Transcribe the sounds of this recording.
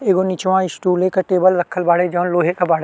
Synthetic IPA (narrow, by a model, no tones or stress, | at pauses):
eːɡonit͡ʃʋãɪsʈuːlekaʈeːbəlɾɐkʰːəlbaːɽed͡ʒɔːnloːɦekabaːɽ